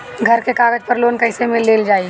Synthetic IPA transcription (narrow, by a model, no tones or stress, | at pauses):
ɡʱɐɾkekaːɡəd͡ʒpɐɾloːnkɐɪsemelːeːld͡ʒaːi